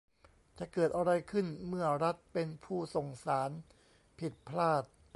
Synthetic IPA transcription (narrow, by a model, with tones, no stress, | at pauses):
t͡ɕa˨˩kɤː˨˩t̪̚ʔa˧ɾa˧jkʰɯ˥˩nmɯ˥˩ɐɾa˦˥t̪̚pe˧npʰuː˥˩so˨˩ŋsaː˩˦n | pʰi˨˩t̪̚pʰlaː˥˩t̪̚